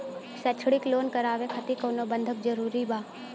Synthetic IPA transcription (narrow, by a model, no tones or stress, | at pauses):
sɛt͡ʃʰɽɪkloːnkəɾaːʋekʰət̪ikoːnobə̃nd̪ʱəkd͡ʒəɾuːɾibaː